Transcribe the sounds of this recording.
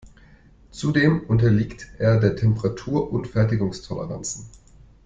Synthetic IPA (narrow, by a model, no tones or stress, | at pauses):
t͡sudeːmʔʊntɐliːktʔeːɐdeːɐtʰɛmpəʁatʰuːɐʔʊntfɛɐtɪɡʊŋstʰɔlə̰ʁant͡sn̩